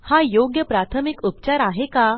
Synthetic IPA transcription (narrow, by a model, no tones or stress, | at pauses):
hajoɡjəpɾat̪ʰəmikupt͡ɕaɾaɦeka